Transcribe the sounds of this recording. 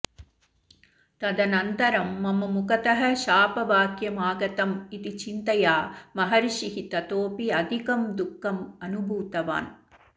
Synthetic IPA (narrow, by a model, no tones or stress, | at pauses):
t̪ɐd̪ɐnɐnt̪ɐɾɐmːɐmɐmukɐt̪ɐɦɐʃaːpɐbaːkjɐmaːɡɐt̪ɐmit̪it͡ʃint̪ɐjaːmɐɦɐɾiʃiɦit̪ɐt̪oːpiɐd̪ʱikɐmd̪ukːɐmɐnubʱuːt̪ɐʋa̰ːn